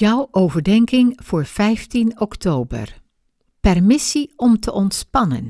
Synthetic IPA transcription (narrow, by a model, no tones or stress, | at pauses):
jʌwʔowvəɹdɛŋkɪŋv̥ʊːɹv̥ɛjftinɔktowbə̰ɹ | pɛrmɪsiɔmtʰəʔɔntspɑnə̰n